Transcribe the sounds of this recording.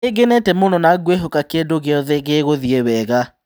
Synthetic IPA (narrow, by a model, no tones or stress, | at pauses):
eɡenɛtɛmonɔnaɡweɦokakedoɣeɔðɛɣeɣoðiewɛɣa